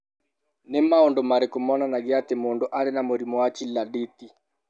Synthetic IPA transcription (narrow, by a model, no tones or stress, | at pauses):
nɪmaondomaɾekomɔnanaɡɪatemondoʔaɾenamoɾimɔwat͡ʃiladet̪i